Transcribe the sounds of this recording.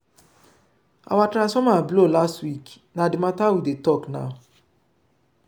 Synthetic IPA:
a̰watɾãnsfɔmablolastwik | nadimatawidetɔkna̰

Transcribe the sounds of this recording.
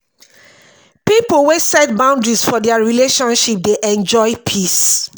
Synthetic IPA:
pipəlwesɛt̚bãʊ̃ndɹisfɔdɛaɹileʃɔ̃nʃip̚deʔɛ̃nd͡ʒɔɪpʰis

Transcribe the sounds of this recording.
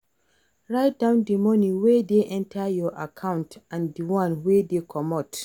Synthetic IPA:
ɹaɪt̚dãʊ̃ndimɔ̃nĩwɛdeʔɛ̃ntʰajɔʔakʰãntãndiwãnwɛdekʰɔmɔt

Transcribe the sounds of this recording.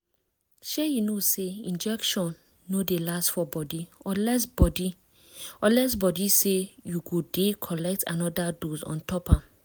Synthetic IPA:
ʃejinoseĩnd͡ʒɛkʃɔ̃nː | odelastfɔbɔdiɔlɛs̬bɔdi | ɔlɛs̬bɔdisejuɡodekʰɔlɛk̚tʰa̰nɔdadozɔ̰̃ntɔpãm

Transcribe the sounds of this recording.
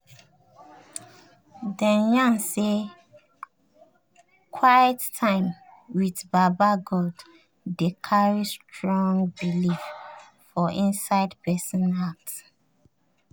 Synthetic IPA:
dãnjãnse | kʰwajɛtːʰãɪ̃m | wiðbabaɡɔld | dekʰaɹistʰɹɔ̃ŋbilif | fɔʔĩnsaɪdpɛsɔ̃nak̚t

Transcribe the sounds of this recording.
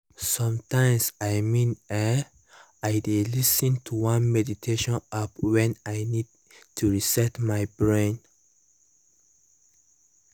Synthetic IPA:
sɔ̃mtãɪ̃msajmĩnɛ | ajdelisə̃ntʰuwãnmɛditʰeʃɔ̃nap̚wɛ̃najnid̚ | tʰuɹisɛtmajbɹẽn

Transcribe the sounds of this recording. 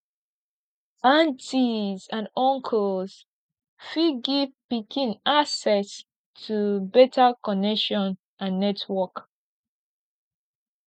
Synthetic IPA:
bãntizãnɔ̃ŋkʰɔlz̥ | fiɡivpikʰĩnasɛs | tʰubɛtʰakɔnɛkʃɔ̃n | ʔãnːɛtʰwɔk

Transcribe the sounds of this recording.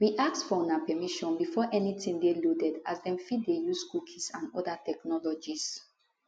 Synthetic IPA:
wiʔak̚tfɔɔ̃napɛmiʃɔ̃nbifɔʔɛnitĩŋdelodɛdazdɛ̃mfiddejuskukʰisãnɔdatɛknɔlɔd͡ʒis

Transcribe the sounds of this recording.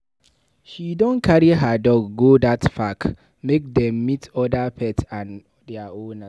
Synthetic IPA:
ʃidɔ̃nkʰaɹiɦadɔɡːodatfak | mek̚dɛ̃mːitʰɔdapʰɛtãn | dɛaõna

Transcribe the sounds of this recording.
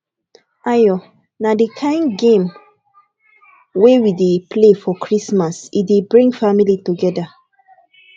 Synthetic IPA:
ajɔ | nadekʰãɪ̃nɡẽm | wewidepʰlefɔkʰɹismasidebɹĩŋɡfamilituɡɛda

